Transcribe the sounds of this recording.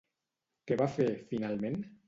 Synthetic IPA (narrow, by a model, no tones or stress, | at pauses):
keβafeɾfinalmẽn